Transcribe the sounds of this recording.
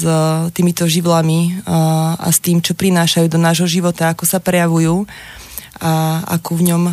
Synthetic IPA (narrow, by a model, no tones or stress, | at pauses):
t̪iːmit̪ɔʒiʋlami | a̰st̪iːmt͡ʃɔpɾinaːʃajuːd̪ɔnaːʒɦɔʒiʋɔt̪aakɔsapɾɛjaʋujuː | aa̰kuʋɲɔm